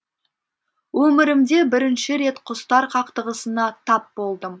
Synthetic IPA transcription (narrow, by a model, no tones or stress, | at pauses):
wɵmɪɾɪmd̪e̞bɪɾɪnʃɪɾe̞t̪qʰʊst̪ɑɾqʰɑqt̪əʁəsənɑt̪ʰɑp̚bo̞lˠd̪əm